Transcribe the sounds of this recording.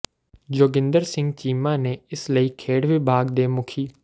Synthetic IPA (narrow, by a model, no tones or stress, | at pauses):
d͡ʒoːɡɪ̃nd̪əɾsɪ̃ŋɡt͡ʃiːmãːneːɪsləiːkʰeːɽʋibʱaːɡd̪eːmʊkʰiː